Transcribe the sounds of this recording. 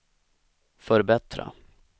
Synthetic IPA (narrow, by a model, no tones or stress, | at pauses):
fœɾbɛt̪ɾa̰